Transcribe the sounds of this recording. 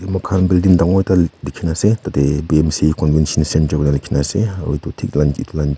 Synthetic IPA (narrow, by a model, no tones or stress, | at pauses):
mɐkʰanbildindaŋɔjtalikʰːinasetatebiɛmsikɔnvɛnsɔnsɛntɐknalikʰinasḛwjtutʰik̚lanitlan